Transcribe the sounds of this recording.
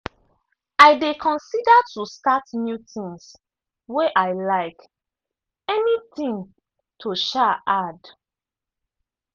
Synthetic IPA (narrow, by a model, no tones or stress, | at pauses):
aɪdekʰɔ̃nsidatustatnjutĩŋs | weʔaɪlaɪk | ɛnit̪ĩŋ | tʰuʃaʔad